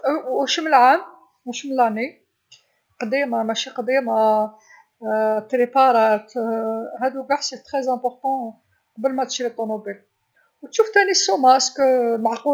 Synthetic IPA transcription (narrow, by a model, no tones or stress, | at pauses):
ʃəməlʕam | wæʃəməlæʕni | qd̪imamæʃiqd̪ima | t̪ɾepɑɾˤɑt̪hæd̪uɡɑħsət̪χɛzæ̃pɔɾt̪ɑ̃ | qɑbəlmæt̪ʃilət̪ˤːomobil | wt̪ʃuft̪ænisːomæskmaʕqu